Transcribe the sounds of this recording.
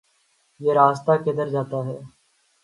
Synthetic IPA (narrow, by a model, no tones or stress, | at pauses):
jeːɾaːst̪aːked̪əɾd͡ʒaːt̪aːɦɛː